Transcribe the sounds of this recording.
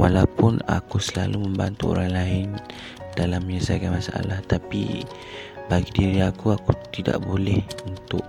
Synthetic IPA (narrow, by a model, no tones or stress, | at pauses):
walawpʊna̰kusəla̰luməmba̰nt̪uo̰ɾaŋlaɪn | dalamɲasəbaɡajmasaʔa̰laht̪apḭ | baɡidiɾiakuakut̪ida̰ʔbolɛhunt̪ʊʔ